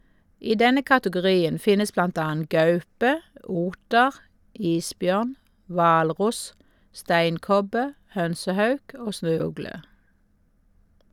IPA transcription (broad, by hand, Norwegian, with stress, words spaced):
ˈiː ˈdɛnə kɑtəɡʊˈʁiːən ˈfɪnəs ˈblɑnt ˈɑːən ˈɡɑʉpə ˈuːtəʁ ˈiːsˌbjœʁn ˈʋɑːlˌʁʊs ˈstæɪnˌkɔbə ˈhœnsəˌhɑʉk ˈoː ˈsnøːˌʉɡlə